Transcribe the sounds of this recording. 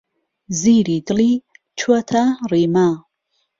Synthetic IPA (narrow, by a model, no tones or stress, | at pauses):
ziːɾid̪ɨliː | t͡ʃʰuɐt̪ʰariːma